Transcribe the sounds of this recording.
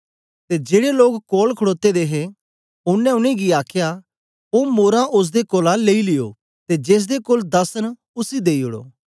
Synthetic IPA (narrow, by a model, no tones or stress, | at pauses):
t̪ed͡ʒeːɽeloːkkoːlkʰəɽoːt̪ed̪eːɦe | ʊnːɛ̃ʊnẽɡiaːkʰja | omoːɾãʔʊs̬d̪ekoːlãleːilɪjo̰ | t̪ed͡ʒeːs̬d̪ekoːld̪ɐsən | ʊsid̪eːiʊɽo̰ː